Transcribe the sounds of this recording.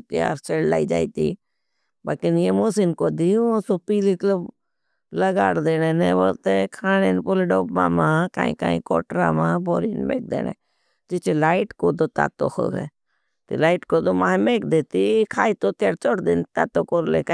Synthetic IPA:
t̪ɪja̰ːɾseɽla̰ːid͡ʒa̰ːit̪iː | bakɪnjemoːsinkoːd̪iosoːpiːliklə | ləɡaːɽd̪eːneːneːʋoɾt̪ekʰaːneːnpoleɖoːpma̰ːmãːka̰ːḭ̃ka̰ːḭ̃ko̰ːʈɾa̰mãːboːɾiːnmḛːk̚d̪ḛːnḛ̃ː | d͡ʒɪt͡ʃelaːɪʈkoːd̪oːt̪a̰ːt̪o̰ːkʰo̰ʋḛː | t̪ilaːiʈkod̪omaːmeːkd̪eːt̪ikʰaːit̪ot̪ɪjaːɾt͡ʃoɽd̪eːnt̪a̰ːt̪oːkoɾlḛka

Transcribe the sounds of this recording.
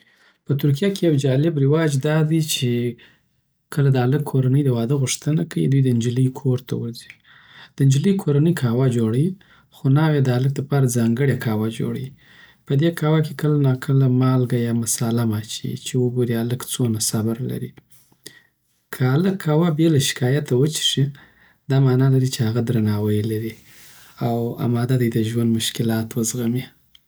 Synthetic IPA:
pət̪ʊɾk̬ijakejawd͡ʒɑlɪbɾɪwɑd͡ʒd̪ɑd̪it͡ʃe | kʰəlad̪əaləkʰːoɾanəjd̪əwɑd̪əɣʊʂt̪ənakaḭd̪ujd̪əɪnd͡ʒiləjkʰoɾt̪ʰa̰wə̰ɾzi | d̪̥əɪnd͡ʒiləjkʰoɾanəjkʰɑwad͡ʒoɽawi | xonɑwed̪əalək̚d̪əpɑɾazɑŋɡəɽekʰɑwad͡ʒo̰ɽa̰wi | pəd̪ekʰɑwakekəlanɑkʰəlamɑlɡajɑmasɑlamɑt͡ʃḭt͡ʃewəɡoɾialəkt͡sonasabaɾla̰ɾi | kʰəaləkʰːɑwabelaʃɪ̥kɑjat̪awət͡ʃi̥ʂi | d̪ɑmɑnɑlaɾit͡ʃehaɣad̪ɾanɑwəjlaɾi | awa̰mɑd̪ad̪ajd̪əʒwand̪mʊʃkɪlɑt̪wəzɣami

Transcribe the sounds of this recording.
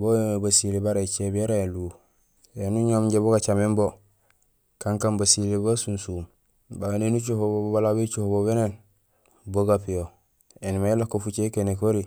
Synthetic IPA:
boebasilebaɾait͡ʃebieɾaelu | enuɲomɟeboɡat͡ʃamimbo | kaŋkambasilebasunsum | banenut͡ʃohobobbalabet͡ʃohoboβenen | boɡapijo | enimajelːakofut͡ʃekenekoɾi

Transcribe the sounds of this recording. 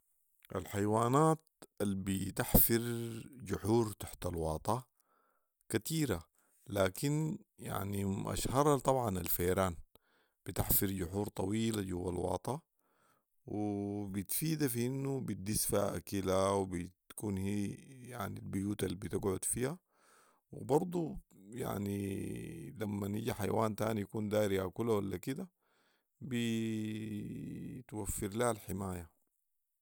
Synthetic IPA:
ʔa̰lħajwaːnaːt̪albit̪aħfɪɾd͡ʒʊħuːɾt̪ḁħt̪alwɑːt̪ˤɑ | kat̪iːɾa | laːkinja̰ʕniʔa̰ʃhɑɾˤɑt̪ˤɑbʕɑnalfajɾaːn | b̥it̪aħfɪɾd͡ʒʊħuːɾt̪ˤɑwiːlad͡ʒuwːa̰lwɑ̰ːt̪ˤɑ | wibit̪fiːd̪afiʔinːubit̪̚d̪isfaʔa̰kilawbit̪kuːnhiːja̰ʕnilbʊjuːt̪alibit̪ɪɡʕʊd̪fiːha | wḭbɑɾˤd̪ˤuja̰ʕni | lamːaniɟiħa̰jwaːnt̪a̰ːnijakuːnd̪aːɾiakulawalːakid̪a | bi | t̪wafːɪɾlahalħɪmaːja

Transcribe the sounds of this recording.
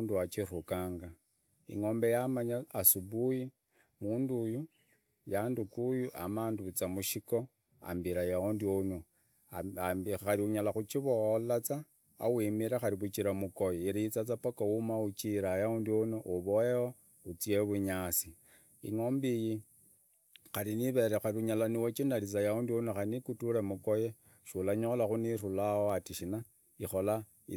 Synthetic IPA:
nduat͡ʃirukaːŋɡa | ḭŋo̞mbe̞jamaɲaasubuji | muːnduju | jandukujuʔa̰maːnduβit͡samuʃiko | a̰mbiɾajaondiono | aɾiuɲalaxut͡ʃiβoolat͡sa̰ː | wimiɾaxaɾiβut͡ʃiɾamukojeiɾiit͡sat͡sapokaumaut͡ʃiɾajaundionoʔuβoeo | ut͡sieβuɲasi | ḭŋombiji | xaɾiniβe̞ɾexaɾiuɲalaniwet͡ʃindalit͡sajaundionoxainikutuɾemukoje | ʃulaɲolaxunirulawoatiʃina | ixola | i

